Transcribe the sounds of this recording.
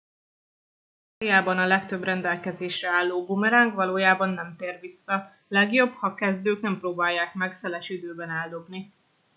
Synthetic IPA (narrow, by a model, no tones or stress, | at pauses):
arijaːbɒnɒlɛkt̪ø̞brɛnd̪ɛlkɛzeːʃrɛaːlːoːbumɛɾaːŋkʋɒloːjaːbɒnːɛmt̪eːrʋisːɒ | lɛɡjo̞bhɒkɛzd̪øːknɛmproːbaːjːaːk̚mɛksɛlɛʃid̪øːbɛnɛld̪o̞bni